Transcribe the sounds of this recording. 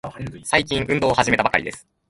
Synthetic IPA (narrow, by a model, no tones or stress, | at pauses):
saik̬ʲĩɰ̃ʔɯ̟̃nd̪o̞ːhaʑime̞t̪abaka̰ɾḭd̪e̞̰sɨ̥